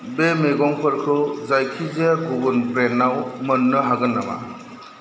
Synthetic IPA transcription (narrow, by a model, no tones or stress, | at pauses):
bemeɡɔŋpʰɯɾkʰɯzajkʰizejakʰubunpɾenːawmənːɯɦaɡɯnːama̰